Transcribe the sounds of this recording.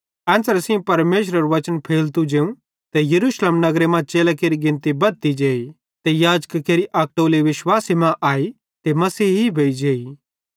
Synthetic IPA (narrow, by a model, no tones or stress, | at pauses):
ɛ̃ːnsəɾsĩpɐɾmeːʃ̬ɾəɾuʋɐt͡ʃənpʰeːlt̪ud͡ʒeːũ | t̪ejɐɾuːʃleːmnɐɡɾemãt͡ʃeːlakeːɾiɡɪ̃nt̪ibɐt̪id͡ʒeːi | t̪ejaːd͡ʒkkeːɾiʔɐk̚ʈoːleʋɪʃwaːsimãʔaːi | t̪emɐsiːɦɦibʱeːid͡ʒeːi